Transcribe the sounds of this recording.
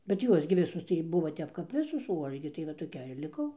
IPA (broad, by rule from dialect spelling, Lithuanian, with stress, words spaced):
bʲɛt ˈjuɔs ɡʲɪ ˈʋʲɪsʊs tɐɪ ˈbʊʋoː ˈtʲɛp kɐp ˈʋʲɪsoːs oː ˈɐʃ ɡʲɪ tɐɪ ʋɐ toːˈkʲɛɪr lʲɪˈkɐʊ